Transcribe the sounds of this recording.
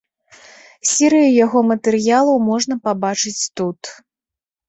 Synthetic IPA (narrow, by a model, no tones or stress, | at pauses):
sʲɛɾɨjujaɣɔmɐt̪ɛɾɨjalˠɐmɔʐn̪ɐpabat͡ʂɨt͡sʲt̪ut̪